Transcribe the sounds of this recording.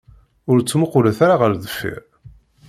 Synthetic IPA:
ʊɾt͡sːmʊqːʊləθaɾaʁəɾðəfːḭɾ

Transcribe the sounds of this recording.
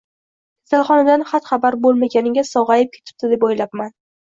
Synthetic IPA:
kʰʲḁsalˠχɒnad̪anχat̪χɑbaɾbolˠmaɡʲanɪɡʲasɒʁɑjɪp̚kʲʰet̪ʰɪ̥p̚d̪ɪd̪e̞pojlap̚man

